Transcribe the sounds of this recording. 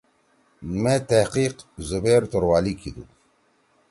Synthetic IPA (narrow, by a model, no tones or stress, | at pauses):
met̪aqiːqzubeːɾt̪oɾwaːlikid̪ṵ